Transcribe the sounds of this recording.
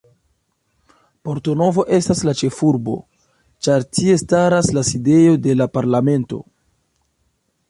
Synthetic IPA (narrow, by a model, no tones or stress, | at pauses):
po̞ɾto̞no̞vo̞ʔe̞staslat͡ʃe̞fuɾbo̞̰ | t͡ʃaɾtie̞staɾaslaside̞jo̞de̞lapaɾlame̞nto̞̰